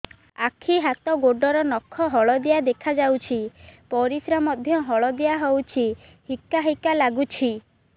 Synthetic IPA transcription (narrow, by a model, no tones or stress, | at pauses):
akʰiɦat̪ɔɡoɖɔɾɔnɔkʰːɔɦɔɭɔd̪ijad̪ekʰad͡ʒawt͡ʃʰipɔɾisɾamɔd̪ʱjɔɦɔɭɔd̪ijaɦowt͡ʃʰi | hikːaɦikalaɡut͡ʃʰi